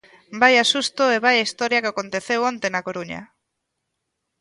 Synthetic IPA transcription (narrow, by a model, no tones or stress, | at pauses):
bajasust̪oeβajaist̪ɔɾjakeakont̪eθewont̪enakoɾuɲɐ̰